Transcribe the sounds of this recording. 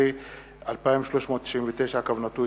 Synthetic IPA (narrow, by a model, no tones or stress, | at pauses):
i | alpaimʃloʃmot̪ːi̥ʃimvet̪eʃakavnat̪u